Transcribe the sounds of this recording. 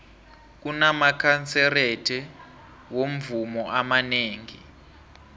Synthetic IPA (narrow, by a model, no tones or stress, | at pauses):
k̬unamakʰant͡sɛretʰɛ | wom̩vumɔʔamaneːŋḭ